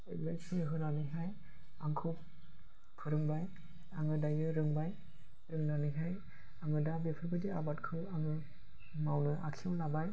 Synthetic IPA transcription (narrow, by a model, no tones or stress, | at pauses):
ebajsʰinɯɦɯnanɯjɦaj | aŋkʰɯp̚ | pʰɯɾɯŋbaj | aŋɯdajɯɾɯŋbaj | ɾɯŋnanɯjɦaj | aŋɯdabepʰɯɾbɯdiabat̚kʰɯwaŋɯ | mawnɯʔakʰiawnabaj